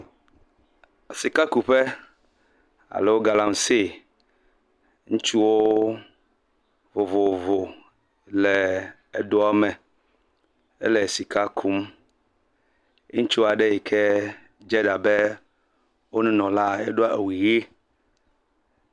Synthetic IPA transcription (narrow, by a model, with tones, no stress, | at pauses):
a˨si˨ka˦ku˨ɸɛ˦ | a̰˨lɛ˨wo˦ɡa˨la˦m˨se˦˨ | ŋũ˦t͡ʃu˦wo˦ | vo˨vo˨vo˨ | lɛ˨ | e˨ɖo˦a˦mɛ˨ | ɛ̰˦lɛ˨si˨kʰa˦kʰu˦m˦ | ũ˦t͡ʃu˦a˨ɖɛ˦ji˨kʰɛ˦ | d͡ʒɛ˦ɖa˨bɛ˦ | wo˦nũ˦nɔ̃˨la˦ɛ̰˦ɖo˦a˨ʔe˨wi˨je˦